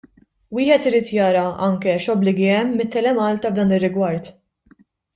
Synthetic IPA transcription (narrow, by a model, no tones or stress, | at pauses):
wɪːħɛt̪ɪɾiːt̪jɐːɾɐɐŋkɛʃɔblɪɡiɛmːɪt̪ːɛlɛmɐːlt̪ɐvd̪ɐːnɪrːɪɡwɐɾt̪